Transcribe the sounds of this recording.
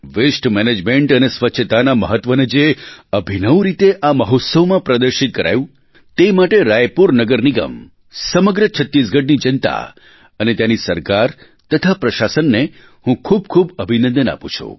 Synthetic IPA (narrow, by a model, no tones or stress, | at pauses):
ʋɪsʈmɛned͡ʒmeɳʈənesʋətːʃʰət̪anamə̰ɦət̪ʋəned͡ʒeəbʱinəwɾit̪eʔaməɦɔt̪səʋmãpɾəd̪əɾʃit̪̚kəɾa̰jũ | t̪emaʈeɾajpuɾnəɡəɾniɡə̰m | səməɡɾət͡ʃʰət̪ːis̬ɡʱəɖnid͡ʒənt̪a̰ | ənet̪janisəɾkaɾ | t̪ət̪ʰapɾəʃasənːe | hũkʰub̚kʰubəbʱinə̃nd̪əna̰pṵ̃t͡ʃʰṵ